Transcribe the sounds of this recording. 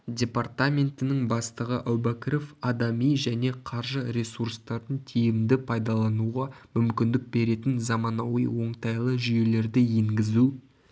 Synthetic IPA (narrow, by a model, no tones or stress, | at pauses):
dʲe̞part̪amʲe̞nt̪ɪnɪŋbɑst̪əʁəʔæwbækʲɾofɑd̪ɑmijʒæne̞qʰɑɾʒəɾʲesurst̪ɑɾd̪əɴt̪ʰejɪmd̪ɪpʰɑjd̪ɑlˠɑnuʁɑmʏmkʲɪnd̪ɪk̚be̞ɾe̞t̪ɪnzɑmɑnɑwḭjwo̞ɴt̪ɑjlˠəʒʏje̞le̞ɾd̪ɪje̞ŋɡʲɪzu